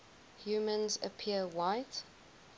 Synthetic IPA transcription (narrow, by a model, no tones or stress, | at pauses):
hjuːmə̃nzə̰pʰiəwaɪt